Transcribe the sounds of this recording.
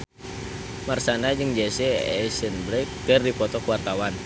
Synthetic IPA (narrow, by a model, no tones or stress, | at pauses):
marsanad͡ʒɨŋd͡ʒɛsɛɛsənbɾɛkkərdipɔt̪ɔkuwart̪awan